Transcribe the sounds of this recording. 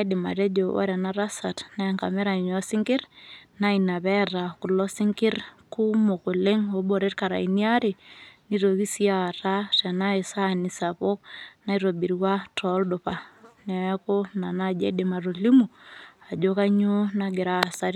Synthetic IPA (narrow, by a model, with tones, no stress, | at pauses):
ede˨ma̰˨ɾe˦d͡ʒo˨a̰˦ɾa˨na˦ɾa˦sa˨tna˦ɛŋka̰˨me˦ɾa˨ɲɔ˦si˦ŋɡɪ˦ɾna˦ina˨βɛ˦ra˨ku˨lɔ˦si˦ŋki˦rku˦mo˨ko˨le˦ŋo˨˦bo˨ɾe˦tka˨ɾa̰˨i˨ni˦a˦ɾe˨ni˦ɾo˨βi˦sia˨ɾa˦tɛ˨na˦e˨sa˦ni˨sa˨βo˦kna˦i˦ɾo˨bi˨ɾwa˦tɔ˦ldo˨pa˨nɛ˨˦ko˦na˨na˦d͡ʒɛ̰˦de˨ma˨ɾo˨li˦mu˨a˨d͡ʒo˦ka˦ɲo˦naɡe˨ɾa˦˨sa˦ɾ